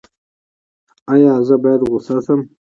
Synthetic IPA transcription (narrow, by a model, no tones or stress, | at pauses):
ajɑːzəbɑjad̪ɣʊsasəm